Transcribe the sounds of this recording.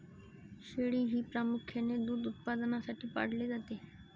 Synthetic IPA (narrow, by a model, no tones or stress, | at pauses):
ʃeːɽiːɦiːpɾaːmʊkʰːeneːd̪uːd̪ʊt̪̚paːd̪ənãːsaːʈiːpa̰ɽleːd͡ʒat̪eː